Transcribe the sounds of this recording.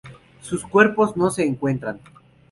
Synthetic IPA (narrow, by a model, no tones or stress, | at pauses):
suskwe̞ɾpo̞zno̞se̞ːŋkwe̞nt̪ɾan